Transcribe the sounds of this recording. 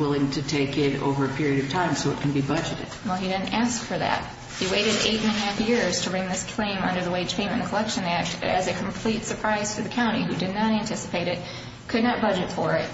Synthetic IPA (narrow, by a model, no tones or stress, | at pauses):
wɪlˠɪ̃ŋtʰɨtʰeɪkɪɾo̰ʊvə˞ɨpʰɪɹiɨɾʌv̥tʰãɪ̃msoʊɨt̚kʰn̩bibʌd͡ʒɨɾɨ̰d̥wɛlˠidɪdⁿn̩tæskfə˞ðæ̰t̚ | hiweɪɾɨɾḛɪɾɨ̃nɨɦæfjɪɹz̥tʰɨbɹɪ̃ŋðɪskʰl̥ẽɪ̃mʌ̰̃ndə˞ðəweɪ̥ʒ̥pʰẽɪmɨ̃nðɨkʰəlɛkʃɨ̃næk̚tɨ̰zɨkʰm̩pʰl̥itsə˞pʰɹ̥aɪz̥fə˞ðɨkʰãʊ̃ɾ̃iɦʉdɨdⁿnəɾæ̃ntʰɪsə̥pʰeɪɾɨt̚ | kʰɨdⁿnət̚b̥ʌd͡ʒɨtfə˞ɪt̚